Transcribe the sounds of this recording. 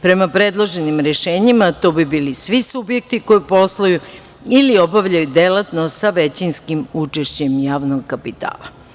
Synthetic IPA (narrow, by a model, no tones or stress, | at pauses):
pɾe̞mapɾed̪lˠoʒe̞nimɾeʃeːɲimat̪oːbibiːlisʋisubjek̚t̪iko̞jipo̞sloju | iliobaʋʎajud̪elat̪nosaʋet͡ɕinskimut͡ʂeʃt͡ɕe̞mjaːʋnoɡkapit̪a̰ːlˠa